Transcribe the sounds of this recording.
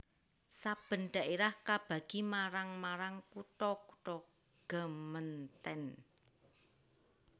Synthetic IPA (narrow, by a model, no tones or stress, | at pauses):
sab̥ə̤nɖ̪̥a̤ʔeɾahkab̥a̤ɡ̥imaɾaŋmaɾaŋkuʈɔkuʈɔ | ɡ̥ə̤mənt̪ɛn